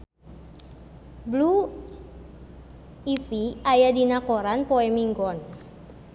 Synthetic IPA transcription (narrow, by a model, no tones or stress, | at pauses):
blu | ifiajadinakoɾanpoɛmiŋɡɔn